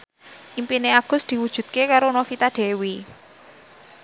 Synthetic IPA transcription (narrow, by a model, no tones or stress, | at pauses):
ʔimpineaɡ̥ʊ̤sd̪̥i̤wud̥ʒ̥ṳd̪̥̚kekaɾonofit̪aɖ̪̥ɛ̤wi